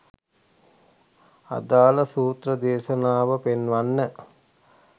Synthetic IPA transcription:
a̰d̪aːləsuːt̪rəd̪eːʃənaːʋəpenʋanːə

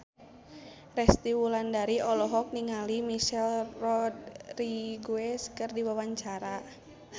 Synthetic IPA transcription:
rɛst̪iwulandaɾiɔlɔɦɔk̚niŋalimiʃɛlrɔd̚riɡuɛskərdiwawaɲt͡ʃaɾa

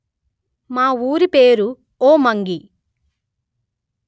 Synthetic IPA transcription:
maːuːɾipeːɾu | oːmɐŋɡi

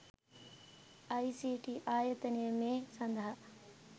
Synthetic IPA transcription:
ɐjsiːʈiʔaːjɐt̪ɐnijɐmeːsɐnd̪ʱɐɦɐ

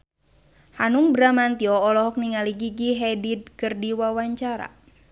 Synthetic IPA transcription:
hanuŋbɾamant̪iɔːlɔɦɔk̚niŋaliɡiɡiɦɛdid̪̚kɨrdiwawaɲt͡ʃaɾa̰

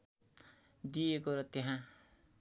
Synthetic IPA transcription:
d̪iekoɾʌt̪eɦã

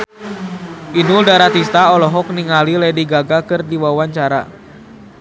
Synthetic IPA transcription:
ʔinuldaɾat̪ist̪aɔlɔɦɔk̚niŋalilɛdiɡaɡakɨrdiwawaɲt͡ʃaɾa̰

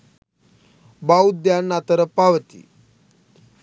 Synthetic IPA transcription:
baud̪janːat̪əɾəpaʋət̪ḭ

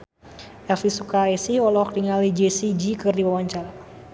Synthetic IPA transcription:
ɛlfisukaɛsihɔlɔk̚diŋalid͡ʒesid͡ʒikɨrdiwawaɲt͡ʃala

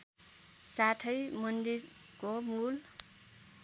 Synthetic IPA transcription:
saʈʰʌjmʌnd̪iɾkomul

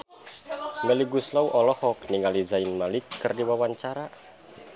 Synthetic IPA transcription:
ŋɡəliɡuslauʔɔlɔhɔkniŋalizainmalɪkːərdiwawaɲt͡ʃaɾa

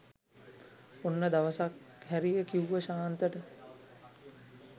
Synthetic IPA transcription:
onːəd̪aʋəsakhæɾijəkiuʋəʃaːnt̪əʈə

